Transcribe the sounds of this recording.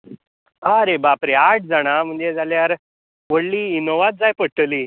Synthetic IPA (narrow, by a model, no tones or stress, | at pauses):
aɾebapɾeaʈ̚ʰd͡zaɽ̃am̤əɳd͡zed͡zaljaɾ | ʋəɽliːinoʋat̪̚d͡zajpəɽʈəli